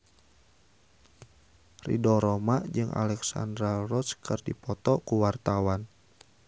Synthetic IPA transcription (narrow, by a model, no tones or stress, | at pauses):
rḭdɔɾɔmad͡ʒɨŋʔa̰lɛksa̰ndɾalrɔskɨrdipɔt̪ɔkuwart̪awan